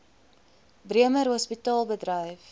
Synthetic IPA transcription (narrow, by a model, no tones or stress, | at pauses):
briəməɾɦɔspitɑːlˠbədrəjf